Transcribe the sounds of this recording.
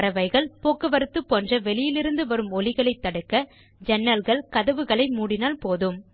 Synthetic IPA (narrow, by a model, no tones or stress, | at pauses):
ɾɐʋɐɪɣɐɭpoːkːɯʋɐɾɯt̪ːɯpːoːndrɐʋɛɭɪjɪlɪɾɯnd̪ɯʋɐɾɯmɔlɪɣɐɭɐɪt̪ːɐɽɯkːɐ | d͡ʒɛnːɐlɣɐɭkɐðɐʋɯɣɐɭɐɪmuːɽɪnaːlpoːðɯm